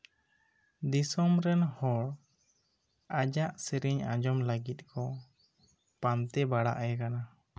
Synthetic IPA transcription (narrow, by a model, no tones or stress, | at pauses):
d̪isɔmɾɛnhɔɽ | ad͡ʒaʔsiɾiɲã̰d͡ʒɔmləɡit̪̚kʰɔ | pant̪ɛbaɽa̰ʔjɛkana